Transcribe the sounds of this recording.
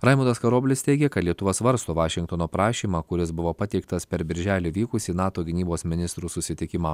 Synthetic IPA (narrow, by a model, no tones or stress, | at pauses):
ɾɑɪmuːd̪ɐskɐɾoːbʲlʲɪst̪ʲɛɪɡʲɛkɐt̪lʲiɛt̪ʊʋɐsʋɐɾst̪oːʋɑːʃʲɪŋkt̪oːnoːpɾɑːʃʲiːmɑːkʊɾʲɪsbʊʋoːpɐt̪ʲɛɪk̚t̪ɐspʲɛɾbʲɪɾʲʒʲæːlʲiːʋʲiːkʊsʲiːnɑːt̪oːɡʲɪnʲiːboːsmʲɪnʲɪst̪ɾuːsʊsʲɪt̪ʲɪkʲɪmɑː